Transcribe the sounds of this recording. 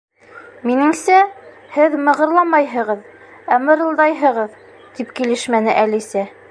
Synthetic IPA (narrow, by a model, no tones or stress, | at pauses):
minɘ̆ŋsæ | hɘðmɤ̆ʁɤ̆ɾlˠɑmɑjɦɤ̆ʁɤð | æmɤ̆ɾɤ̆lˠd̪ɑjɦɤ̆ʁɤð | t̪ipkilɘʃmænɘʔælisæ